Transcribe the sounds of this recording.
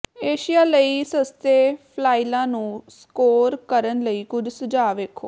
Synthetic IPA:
eːʃijaːləiːsəst̪eːpʰlaːilãːnũːskoːɾkəɾənləiːkʊd͡ʒʱsəd͡ʒaːʋeːkʰoː

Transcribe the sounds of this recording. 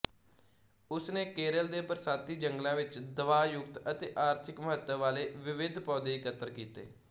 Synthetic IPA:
ʊsneːkeːɾəld̪eːpəɾsaːt̪iːd͡ʒəŋɡlãːʋɪt͡ʃd̪əʋaːjʊk̚t̪ət̪eːʔaːɾt̪ʰɪkməɦət̪ːəʋaːleːʋɪʋɪd̪ʱpaːd̪eːɪkət̪əɾkiːt̪ḛː

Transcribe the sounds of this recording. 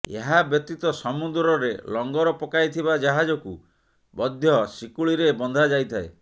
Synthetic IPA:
ḛɦabjɔt̪it̪ɔsɔmud̪ɾɔɾelɔŋɡɔɾɔpɔkajt̪ʰibad͡ʒaɦad͡ʒɔku | bɔd̪ʱjɔsikuɭiɾebɔnd̪ʱad͡ʒajt̪ʰae

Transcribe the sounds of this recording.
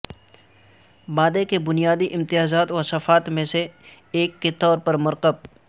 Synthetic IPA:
baːd̪ekebʊnijaːd̪iʔɪ̃mt̪ɪjaːzaːt̪ʋɐsɐfaːt̪mẽseː | kːet̪ɔːɾpɐɾmʊɾqəb̚

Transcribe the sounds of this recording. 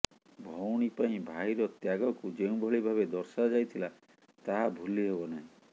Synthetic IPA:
bʱɔwɽ̃ipaĩbʱajɾɔt̪jaɡɔkud͡ʒeũbʱɔɭibʱaβed̪ɔɾsad͡ʒajt̪ʰila | t̪aɦabʱuliɦebɔnaɦĩ

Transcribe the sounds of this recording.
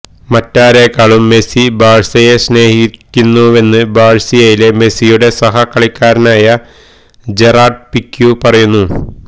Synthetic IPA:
mɐtːaːɾekːaːɭumːe̞sibʱaːɻsɐjesne̞ːhikʲːunːue̞nːɨbaːɻsijejileme̞sijuɽe̞sɐɦɐkːɐɭikʲːaːɾɐnaːjɐ | d͡ʑe̞raːrɖ̚pikːjupɐrɐjunːu

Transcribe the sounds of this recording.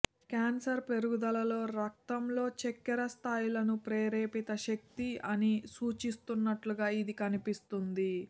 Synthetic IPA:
kaːnsɐɾpe̞ɾuɡud̪ɐlɐlo̞ːɾɐk̚t̪ɐmlo̞ːt͡ʃekːɛɾɐst̪ʰaːjulɐnupɾeːɾeːpit̪ɐʃɐk̚t̪iɐnisuːt͡ʃist̪unːɐʈluɡaːid̪ikɐnipist̪und̪i

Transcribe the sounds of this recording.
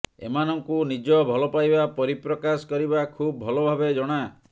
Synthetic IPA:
ḛmanɔŋkunid͡ʒɔbʱɔlɔpajbapɔɾipɾɔkasɔ̥kɔɾibakʰubbʱɔlɔbʱabed͡ʒɔɽ̃a

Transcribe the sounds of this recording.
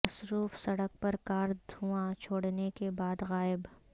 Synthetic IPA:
ɐsɾuːfsɐɽək̚pɐɾkaːɾd̪uat͡ʃʰoːɽnekebaːd̪ɣaːɪb

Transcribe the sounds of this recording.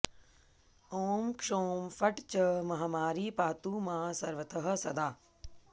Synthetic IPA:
oːmkʂoːmfɐʈt͡ɕɐmɐɦaːmaːɾiːpaːt̪uːmãːsɐɾʋət̪ʰəɦɐ̆sɐd̪aː

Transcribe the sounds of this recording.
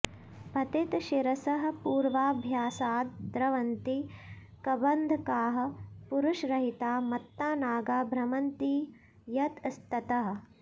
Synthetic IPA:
bʱɐt̪it̪ʃiɾɐsɐɦɐ̆puːɾʋaːbʱjaːsaːt̪d̪ɾɐʋɐnt̪i | kɐbɐnd̪ʱɐkaːɦɐ̆puɾuʃɾɐɦit̪aːmɐt̪ːaːnaːɡaːbʱɾɐmɐnt̪i | jɐt̪st̪ɐt̪ɐɦɐ̆

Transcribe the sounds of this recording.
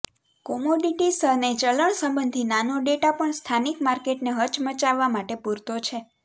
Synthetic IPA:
kɔmoɖiʈisənet͡ʃələɳsə̃mbənd̪ʱinanoɖeʈapəɳst̪ʰanikmaɾkeʈneɦəɾt͡ʃmət͡ʃaʋːamaʈepuɾt̪ot͡ʃʰe

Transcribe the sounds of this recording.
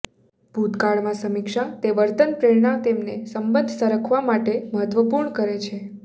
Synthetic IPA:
b̥ʱut̪kaɭmãsəmikʃat̪eʋəɾt̪ənpɾeɭɳãt̪emnesəmbənd̪ʱsəɾəkʰʋamaʈeməɦət̪ʋəpuɾɳəkəɾet͡ʃʰe

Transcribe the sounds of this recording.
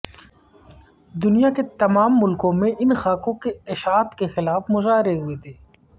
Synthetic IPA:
d̪ʊnijaket̪ɐmaːmːʊlkõmẽʔɪnxaːkõkeɪʃaːt̪kexɪlaːfmʊzaːɦɪɾeɦʊet̪ʰeː

